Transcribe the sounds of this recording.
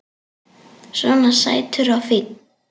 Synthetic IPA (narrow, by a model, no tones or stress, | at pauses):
svɔnasa̰jt̪ʰʏɾawfɪt̪̚n